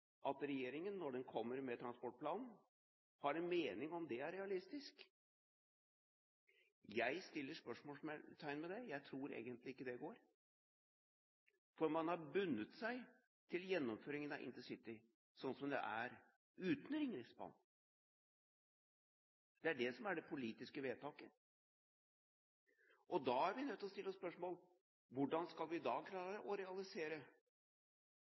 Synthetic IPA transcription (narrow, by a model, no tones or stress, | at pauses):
ʔɑt̪ɾɛjeːɾɪŋənːɔɖɛnkʰɔmːəɾmɛt̪ʰɾɑnspɔʈ̚pʰlɑːnn̩ | hɑɾɛnmeːnɪŋɔmd̪ɛæɾɛɑlɪst̪ɪsk | jæɪst̪ɪlːəʂpœʂmoːmɛt̪ʰæɪnmɛd̪ɛjæɪt̪ʰɾuːɾḛːɡənt̪lɪɪkːəd̪ɛɡoːɾ | fɔɾmɑnhɑɾbʉnːət̪sæɪ | t̪ʰɪljɛnːɔmføːɾɪŋənɑʔɪ̰nt̪ɪsɪt̪ːɪ | sɔnːsɔmd̪ɛ̰ʔæ̰ɾ | ʉːt̪n̩ɾɪŋɾɪsbɑ̰nː | d̪̥ɛæɖɛsɔmæɖɛpʰʊliːt̪ɪskəʋeːt̪ʰɑːkə | ʔɔd̪ɑːæɾʋɪnœt̪ːɔst̪ɪlːɔspœʂmoːl | ʋʊɖɑnskɑlʋɪd̪ɑːkʰlɑːɾəʔɔɾɛɑlɪseːɾə